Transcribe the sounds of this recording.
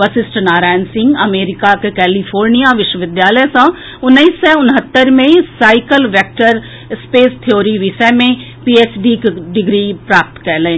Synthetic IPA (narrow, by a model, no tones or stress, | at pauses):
ʋɐsɪsʈnaːɾaːjnsɪ̃ŋɡɐmeːɾɪkakekɛːlifʰoːɾnijaʋɪʃwəʋɪd̪jaːləjsã | ʊnːəisːɛ̃ʊnɦət̪ːəɾmẽsaːɪkəlʋek̚ʈəɾ | speːst̪ʰijoːɾiʋiʃəmẽ | piːeːsɖikɖɪɡɾipɾaːp̚t̪kɛːle